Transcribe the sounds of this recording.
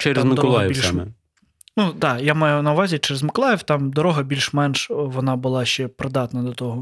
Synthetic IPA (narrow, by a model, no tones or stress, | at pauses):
t͡ʃɛɾezmɪkɔlˠɑjɪmɛ | nud̪ɑjamɑjʊnɐʊʋɑzʲit͡ʃɛɾɪzmɪklˠɑjɪwt̪ɑmd̪ɔɾɔɦɐbʲilʲʃmɛnʃʋɔnɑbʊlˠɑʃt͡ʃɛpɾɪd̪ɑt̪nɐd̪ɔt̪ɔɦɔ